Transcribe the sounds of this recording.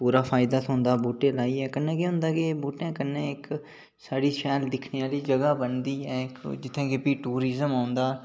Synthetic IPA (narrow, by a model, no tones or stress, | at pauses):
puːɾaːpʰaːɪd̪aːt̪ʰʊ̃nd̪aːbuːʈeːlaːiːɛːkənːɛ̃ːkeɦʊ̃nd̪aːkebuːʈɛ̃ːkənːẽːɪk | saːɽiːʃɛːld̪ɪkʰneːaːliːd͡ʒəɡaːbənd̪iːɛːɪkd͡ʒɪt̪ʰːẽːkepiːʈuːɾɪzəmaːʊnd̪aː